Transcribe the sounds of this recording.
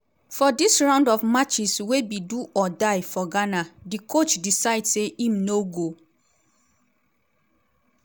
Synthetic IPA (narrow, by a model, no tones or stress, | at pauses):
fɔdisɹãʊ̃ndɔvmat͡ʃiswebiduʔɔdaɪfɔɡanadikʰot͡ʃdisaɪdseʔĩmnoɡo